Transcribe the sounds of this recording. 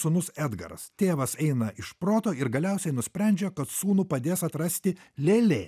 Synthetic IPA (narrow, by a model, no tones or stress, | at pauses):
sʊnʊsæːd̪ɡɐ̰ɾɐ̰st̪ʲeːʋɐsɛɪnɐʔɪʃpɾoːt̪oːɪɾɡɐlʲɛʊsʲɛɪnʊsʲpʲɾʲænʲd͡ʒʲɛkɐt̪suːnuːpɐd̪ʲeːsɐt̪ɾɐsʲt̪ʲɪlʲeːlʲeː